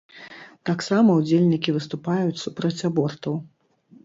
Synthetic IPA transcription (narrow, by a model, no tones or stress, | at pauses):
t̪aksamɐud͡zʲelʲnʲikʲivɨst̪upajut͡sʲsupɾɐt͡sʲabɔrt̪ɐw